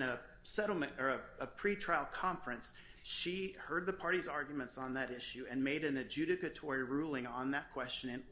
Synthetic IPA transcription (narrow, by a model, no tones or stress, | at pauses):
nɨ | sɛɾl̩ˠmɨ̃nə˞əəpʰɹ̥itʰɹ̥aɪlˠd̚kʰɑ̃ɱfɹɨ̃ns | ʃihɜ˞d̪̚ðəpʰɑɹɾizɑɹɡjmɨ̃ntsn̩ðɨɾɪʃʉɨ̃nmeɪɾɨ̃nɨd͡ʒʉɾɨkɨtʰɔɹiɹulˠɪ̃ŋə̃nðɨt̚kʰw̥ɛst͡ʃɨ̃nɨ̃n